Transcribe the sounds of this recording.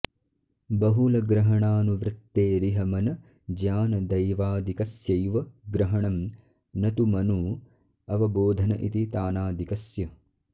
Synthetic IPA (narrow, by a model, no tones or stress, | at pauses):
bɐɦulɐɡɾɐɦɐɳaːnuʋɾɪt̪ːeːɾiɦɐmɐnɐ | d͡ʒaːnɐd̪ɐjʋaːd̪ʱikɐsjɐjʋɐɡɾɐɦɐɳɐm | nɐt̪umɐnuː | ɐʋɐboːd̪ʱɐnɐʔit̪it̪aːnaːd̪ʱikɐsjɐ